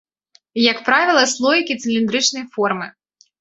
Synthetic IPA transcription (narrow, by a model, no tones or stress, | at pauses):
jɐkpɾavʲilˠɐslˠɔjʲikʲit̪sɨlʲind̪ɾɨt͡ʃnɐjfɔrmɨ